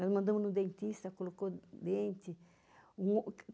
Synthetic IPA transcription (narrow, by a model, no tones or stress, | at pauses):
nɔzmɐ̃nd̪ɐ̃mʊznũd̪ẽnt̪ist̪ɐkolokod̪ẽnt̪ɪ | ũ